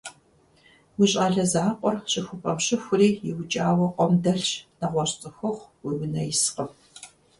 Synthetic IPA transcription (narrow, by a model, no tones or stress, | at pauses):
wiɕʼaːɮɐzaːqʷʼɔrɕʼɪxʷʊpʰʼɐmɕɪxʷʊriːjɪwʊt͡ʃʼaːwɐqʷɔmdɐɬnɐʁʷɔɕt͡sʼɨxʷɨχʷwiwɪnɐjɪsqəm